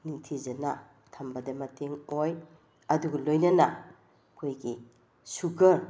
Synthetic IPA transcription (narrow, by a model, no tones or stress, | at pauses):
niŋtʰizɐnɐ | tʰɐmbɐdɐmɐteŋoj | ɐduɡɐlojnɐnɐ | kʰojɡi | suɡɐɾ